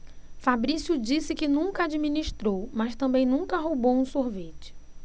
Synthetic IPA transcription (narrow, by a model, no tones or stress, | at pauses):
fabɾisjʊd͡ʒisɪkɪnũŋkɐad͡ʒimĩniʃt̪ɾowmɐʃt̪ɐ̃mbẽj̃nũŋkɐɦowbowũsoɾvet͡ʃɪ̥